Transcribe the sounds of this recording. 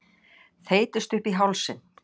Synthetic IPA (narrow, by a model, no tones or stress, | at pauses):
θeːjt̪ɪst̪ʏhpiɦawlsɪn